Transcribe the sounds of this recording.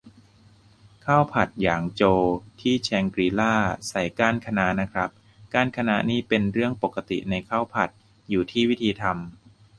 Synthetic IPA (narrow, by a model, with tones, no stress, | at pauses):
kʰaː˥˩wpʰa˨˩t̪̚jaː˨˩ŋt͡ɕoː˧t̪ʰiː˥˩t͡ɕʰɛː˧ŋkɾiː˧laː˥˩sa˨˩jkaː˧˥˩nkʰa˧na˦˥ʔna˦˥kʰɾa˦˥p̚ | kaː˧˥˩nkʰa˧na˧˥ʔniː˦˥pe˧nɾɯ˥˩əŋpo˨˩kːa˧t̪ḭ˨˩na˧jkʰaː˥˩wpʰa˨˩t̪̚ | juː˨˩t̪ʰiː˥˩wi˦˥t̪ʰiː˧t̪ʰa˧m